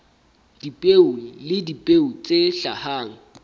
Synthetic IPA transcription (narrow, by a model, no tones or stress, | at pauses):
d̥ipʼeulɪdipʼeut͡sʼeɬahaːŋ̩